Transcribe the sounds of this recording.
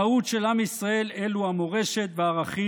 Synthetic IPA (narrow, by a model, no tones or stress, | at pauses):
aut̪ʃelamisʁae̞le̞luhamo̞ʁe̞ʃe̞t̪veaʁaχi